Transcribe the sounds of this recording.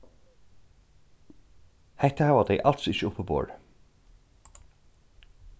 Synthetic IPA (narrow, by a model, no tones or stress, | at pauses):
hɛht̪əhɑʋad̪ɛɪʔɑlt̪sɪçəʊpːəbo̰ːɹ